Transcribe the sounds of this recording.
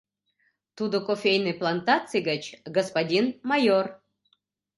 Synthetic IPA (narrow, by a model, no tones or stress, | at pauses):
t̪ud̪okofʲejnɨjplˠant̪at̪t͡sɨjɡət͡ɕɡospadʲinmɑjor